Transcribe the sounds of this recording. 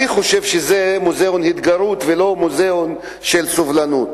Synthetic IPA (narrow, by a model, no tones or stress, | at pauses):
iχoʃevʃezemuzeonhit̪ɡaɾut̪velo̞muzeon | ʃelsovlanut̪